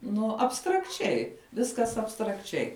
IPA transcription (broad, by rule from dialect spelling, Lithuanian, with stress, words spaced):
ˈnʊ ɐpstrɐkˈt͡ʃʲɛɪ ˈʋʲɪskɐs ɐpstrɐkˈt͡ʃʲɛɪ